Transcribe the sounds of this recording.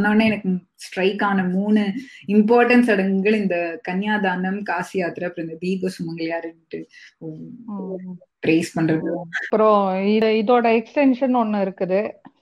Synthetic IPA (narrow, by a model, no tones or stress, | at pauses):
nːɐːnːɯɛnɐkːɯ | sʈɾɐɪkːaːnɐmuːnɯɪmpaːɾʈɐnsɐɽɐŋɡɡɐɭɪnd̪ɐkɐnjaːd̪aːnd̪ɐmkaːsɪjaːt̪ɪɾɐɐpːɾɪnd̪ɐd̪iːbɐsʊmɐŋɡɐɭɐjaːɾɪnʈːɯ | pɾeːspɐɳːɾɐðɯɐpːɪɾõɪɪðoːɽɐɛksʈɛnʂɐnɔnːɐɪɾɯkːɐðɯ